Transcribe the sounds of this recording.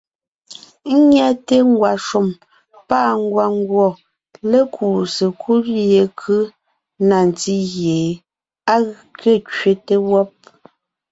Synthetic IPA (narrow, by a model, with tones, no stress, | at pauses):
ŋ̩˦ɲja˦te˦ŋ˦ɡwa˨ʃu˨m | pa˦˨ŋ̩˦ɡwa˨ŋ˦ɡwɔ˨ | le˦kʰu˨se˨kʰu˦lje˨kʰɯ˦ | na˨n˨ti˦ɣje˨ | a˦ɣkɥe˦˨t͡ʃɥe˦te˦wɔ˦p̚